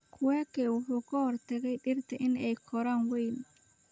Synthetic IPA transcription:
kʰʊwɛːkʰɛːwʊħuːkʰɐhɔrt̪ʰɐɣɛjɗɪrt̪ʰɐʔɪnɛjkʰɔɾaːnwɛjn

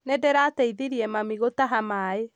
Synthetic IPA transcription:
nɛdɛɾatɛiðeɾiɛmamiɣotaɦamae

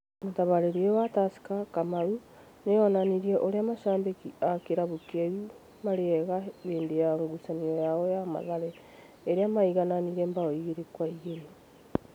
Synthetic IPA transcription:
motaβaɾeɾeɔwatasi̥kakamaɾu | neɔnaniɾiɛʔoɾeamaʃaːmbekiakeɾaβokɛi | maɾeɛɣaβeːndejaŋɡusaniɔjaɔjama̰ðaɾɛ | eɾeamaiɣananiɾɛmbaɔiɣeɾekwaiɣeɾe

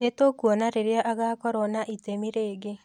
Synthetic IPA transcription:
etokwɔnaɾeɾjaʔaɣakɔɾɔnaʔitemiɾeːɡe

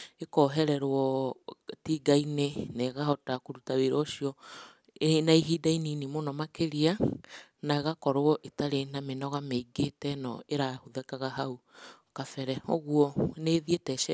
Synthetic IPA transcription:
ekɔɦɛɾɛɾwɔ | tiːɡaineneɣahɔtakoɾutaweɾɔʃiɔ | naiɦiːdainiːnimonɔmakeɾianaɣakɔɾwɔʔetaɾenamenɔɣameiɡetɛnɔ̰eɾahoðɛkaɣaɦau | kafɛɾɛoɣwɔneːðietɛʃɛ

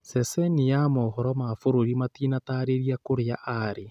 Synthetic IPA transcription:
sɛsɛnijamɔhɔɾɔmafoɾoɾimatinataɾeɾiakoɾeaʔaɾe

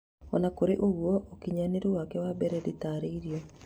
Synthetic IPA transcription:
ɔnakoɾeʔoɣwɔʔokiɲaneɾowakɛwabɛɾɛditaːɾeiɾiɔ

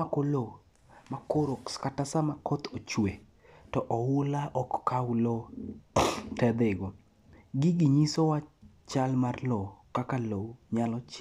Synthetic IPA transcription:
akolo | makoɾokskatasamakʰɔt̪ot͡ʃwe | tɔʔɔwʊlaʔɔkːawlo | tɛd̪ɪɡo | ɡɪɡɪɲisowat͡ʃalmarlokakaloɲalɔt͡ʃ

